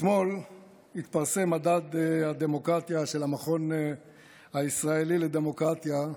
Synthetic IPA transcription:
t̪mo̞l | hit̪paʁse̞madad̪ad̪emo̞kʁat̪jaʃe̞lamaχo̞n | haisʁae̞lile̞d̪e̞mo̞kʁat̪ja

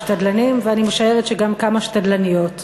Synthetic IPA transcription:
ʃtadlanimveanimeʃae̞ʁet̪ʃeɡamkamaʃtad̪lanijo̞t

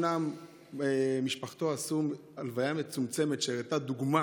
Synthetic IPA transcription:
nam | miʃpaχt̪o̞asum | alvajamet͡sumt͡se̞me̞t̪ʃeʁet̪ad̪uɡma

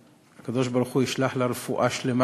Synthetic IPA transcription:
kːɑd̪æːʃbɑɾxujɪʃlaħlaɾˤfuʔaʃlɪm

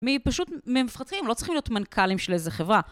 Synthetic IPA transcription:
mipaʃutmemifχat̪χimlot͡sʁiχimlijo̞tmankʰalimʃelezeχevʁa

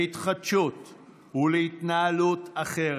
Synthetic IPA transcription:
it̪χadʃut̪ | ulehit̪naːlutʰaχeʁ

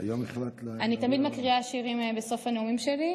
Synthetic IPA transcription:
ajomeχlat̪lanit̪amid̪makʁiaʃiʁimbeso̞fhaneumimʃeli

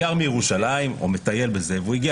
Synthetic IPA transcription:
aʁmijeʁuʃalaimo̰met̪aje̞lbezevuiɡi

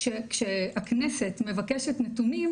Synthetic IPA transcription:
ʃekʃeaknesetme̞vakeʃetnetunim

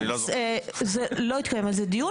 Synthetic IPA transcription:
zɛlo̞it̪̚kajemalzɛd̪iju

